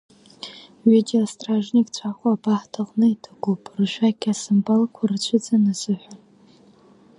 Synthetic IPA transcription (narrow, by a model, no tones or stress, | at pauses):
ɥedeostʼraʐnikʼt͡ɕʷʰaχʷʼabaħtʰaqʼnɨitʰaɡʷupʼrɨʃʷᶣakʲʰʼasɨmbalkʷʰart͡ɕʷʰɪd͡zanazɨħʷᶣan